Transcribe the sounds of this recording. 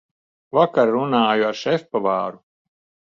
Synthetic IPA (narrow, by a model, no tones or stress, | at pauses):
vakaɾːunaːjuaɾʃɛfʲpavaːɾu